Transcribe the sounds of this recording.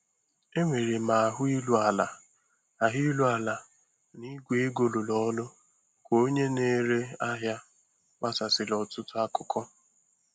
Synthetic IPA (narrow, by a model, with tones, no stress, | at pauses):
e˦ŋʷe˨ɾe˨ma˨a˨ɦʊ˦i˦lu˦a˨la˨ | a˨ɦi˦lu˦a˨la˨ | ni˦ɡʷe˨e˦ɡo˨lo˨lɔ˦lʊ˦ | kʷo˦ɲe˦ne˦ɾe˦a˦ɦja˦ | wa˦sa˨sɪ˨lɔ˨tʊ˦tʊ˦a˦kʊ˨kʰɔ˦